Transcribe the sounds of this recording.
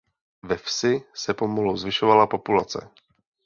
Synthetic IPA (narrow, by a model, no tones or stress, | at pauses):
vɛfsɪsɛpomoluowzvɪʃovalapo̞pulat͡sɛ̰